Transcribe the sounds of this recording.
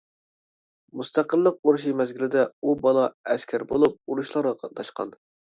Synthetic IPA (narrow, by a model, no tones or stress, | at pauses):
must̪ʰæqəlˠːəq̚oɾuʃ̬imɛzɡʲilɪd̪ɛubɑlˠɑɛskʲʰɛɾbolˠup̚uɾuʃlˠɑɾʁɑqʰɑt̪̚nɑʃqɑ̰n